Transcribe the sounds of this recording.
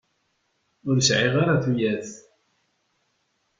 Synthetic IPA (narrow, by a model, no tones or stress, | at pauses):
ʊɾsʕiʁaɾaθujæθ